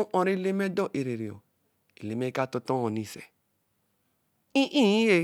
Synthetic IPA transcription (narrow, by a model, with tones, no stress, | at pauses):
u˦ʔɔ̃˨ɾe˦˨le˦mɛ˦dɔ˦ʔe˨ɾe˨ɾe˨ɔ̰˨ | e˨le˨mɛ˦ka˦˨tɔ˧tɔ̃˦ɔ̃˨nĩ˨sɛ̰˨ | ĩ˦ʔĩ˦˨ĩ˦e˦